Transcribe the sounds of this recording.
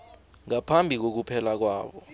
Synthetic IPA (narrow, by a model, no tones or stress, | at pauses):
ŋapʰambʱik̬ok̬upʰɛlak̬waːɓɔ